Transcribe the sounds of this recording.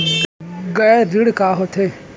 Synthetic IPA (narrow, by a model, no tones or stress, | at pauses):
ɡɐɾɪɽkaːɦot̪ʰe